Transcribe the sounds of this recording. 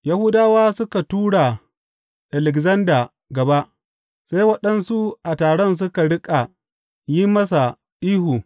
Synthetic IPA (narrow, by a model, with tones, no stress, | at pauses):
ja˦hu˦daː˦waː˦sʊ˦ka˨tuː˦ɽa˨ | ʔa˨lɛ˨kzɐ˦ndaː˨ | ɡɐ˨ba˦ʔ | sa˦jwɐ˦ɗɐ˦nsu˦ʔa˨taː˨ɽɔ˦ns̬ʊ˦ka˨ɽɪ˦kʼa˨ | ji˦mɐ˦sa˨ | ʔiː˦ɦu˨